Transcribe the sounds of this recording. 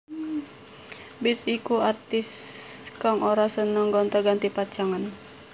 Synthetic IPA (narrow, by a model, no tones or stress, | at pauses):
bit̪ikuart̪ɪskaŋʔoɾasənəŋɡɔnt̪aɡant̪ipat͡ʃaŋan